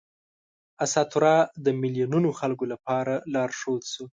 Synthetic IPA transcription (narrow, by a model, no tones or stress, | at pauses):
asɑt̪ʊɾɑd̪əmɪlijununoxalkolapɑɾalɑɾʂod̪su